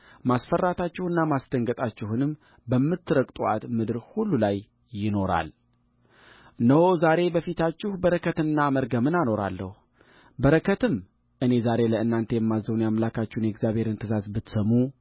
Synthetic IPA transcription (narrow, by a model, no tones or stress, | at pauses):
masfərːat̪ʰat͡ʃːɪhɨnːamasd̪̥əŋɡət̪ʼat͡ʃːɪhunɨm | bəmːɨt̪ːɨɾəkʼt̪ʼuʔat̪mɨd̪ɨɾhulːulajː | ɪno̞ɾa̰l | nəwo̞zaɾe̞bəfit̪ʰat͡ʃːɪhbəɾəkʰət̪ɨnːaməɾɡəmɨnano̞ɾa̰lːə̰hu | bəɾəkʰət̪ɨm | ʔɨne̞zaɾe̞ləɨnːant̪ʰe̞jɛmːazəwnjamlakʰat͡ʃːɪhnjɛɡzjaβhe̞ɾɨnt̪ʰɨzasbɨt̪səmːu